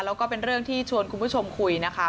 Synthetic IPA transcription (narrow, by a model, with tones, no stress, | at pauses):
lɛː˦˥kɔː˥˩pe˧nɾɯ˥˩əŋt̪ʰiː˥˩t͡ɕʰu˧ənkʰu˧npʰu˥˩t͡ɕʰo˧mkʰu˧jna˦˥kʰa˦˥